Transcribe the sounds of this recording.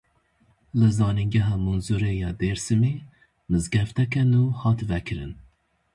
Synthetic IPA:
lɨzɑːniŋɡɛɦɑːmunzuɾeːjɑːd̪eːɾsɨmeː | mɨzɡɛft̪ɛkɛnuːhɑːt̪vɛkʰɨɾɨ̰n

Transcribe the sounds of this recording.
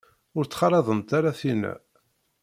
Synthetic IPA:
ʊɾt͡sːχɑɾˤɑðˤəmt̪aɾaθinæ̰

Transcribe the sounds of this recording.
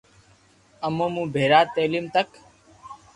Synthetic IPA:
əmõːmũːbʱeːɾaːt̪eːliːmt̪ək

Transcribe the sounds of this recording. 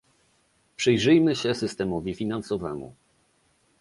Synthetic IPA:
pʂɘjʐɘjmɘɕɛsɘst̪ɛmɔvʲifʲinansɔvɛmṵ

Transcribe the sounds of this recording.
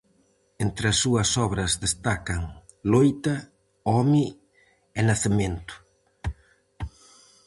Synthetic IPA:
ent̪ɾɐsːuɐsɔβɾɐzðest̪akɐŋ | lojt̪ɐ | ɔmi | ɛnaθement̪ʊ̥

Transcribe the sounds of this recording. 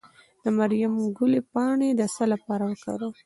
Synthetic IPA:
d̪̥əmaɾjamɡʊlepɑɳed̪əsalapɑɾawəka̰ɾu

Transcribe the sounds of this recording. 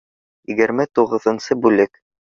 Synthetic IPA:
jɘɡɘ̆ɾmæt̪uʁɤ̆ðɤ̆nsɤbʉlɘk

